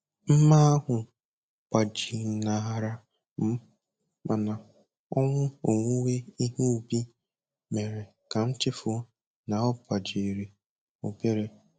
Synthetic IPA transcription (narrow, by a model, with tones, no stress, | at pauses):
m̩˦ma˦a˦ɦʊ˨ | pa˨d͡ʒi˨na˨a˨ɾa˨ | m̩˦ | ma˨na˨ | ɔ˦ŋʷʊ˦o˨ŋʷu˦we˦i˦ɦu˦u˨bi˦ | me˨ɾe˨ | ka˨n̩˦t͡ʃɪ˦fʊ˦ | na˨˦ɔ˦pʷa˨d͡ʒi˨ɾe˨ | o˨ke˦ɾe˦